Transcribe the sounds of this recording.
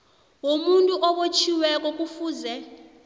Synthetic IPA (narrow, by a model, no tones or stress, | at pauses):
womuntʼuʔɔɓot͡ʃʰiwɛk̬ʼɔk̬ʼufuːzɛ